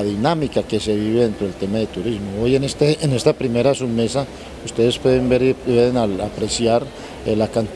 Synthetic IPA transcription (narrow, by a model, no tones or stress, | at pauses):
ðinamikake̞se̞βiβe̞ðe̞nt̪ɾo̞elt̪e̞maðe̞t̪uɾizmoojenest̪eenest̪apɾime̞ɾasume̞sa | ust̪e̞ðespweðembeɾweðenalapɾe̞sjaɾ | elakant̪